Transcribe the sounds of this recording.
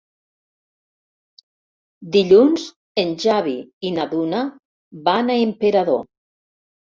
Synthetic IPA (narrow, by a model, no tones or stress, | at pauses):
d̪iʎunz | enʲʒaβiinaðuna | βanaempeɾaðo̰